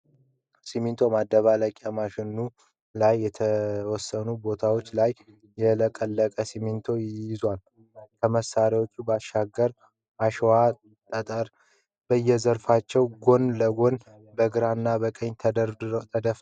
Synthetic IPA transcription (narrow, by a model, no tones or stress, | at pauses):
simint̪ʰo̞mad̪ːəβaləkʼamaʃɪnːu | lajːɛt̪ʰəwɔsːənubo̞t̪ʰawot͡ʃːlajː | ɛləkʼəlːəkʼəsimint̪ʰo̞jɪzwal | kʰəməsːaɾiwot͡ʃːubəaʃaɡːəɾ | maʃwa | t̪ʼət̪ʼəɾ | bəjːɛzəɾfat͡ʃːɛwɡo̞nləɡo̞n | bəɡɨɾanːabəkʼəɲt̪ʰət̪ʰəd̪əf